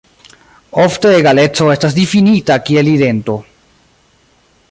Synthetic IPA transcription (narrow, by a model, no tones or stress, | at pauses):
ofte̞eɡale̞t͡so̞e̞stas̬d̪ifinitakie̞lid̪e̞nto̞